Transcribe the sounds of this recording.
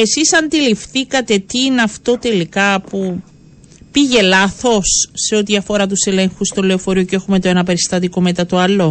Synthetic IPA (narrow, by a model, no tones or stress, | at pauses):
e̞sisɐnd̪ilifθikɐt̪e̞t̪iineɐft̪o̞t̪e̞likɐpu | piʝe̞lɐθo̞sːeo̞t̪iɐfo̞ɾɐt̪̬use̞le̞ŋxust̪ole̞ofo̞ɾiocee̞xume̞t̪oenɐpe̞ɾist̪ɐt̪iko̞me̞t̪ɐt̪oɐlo̞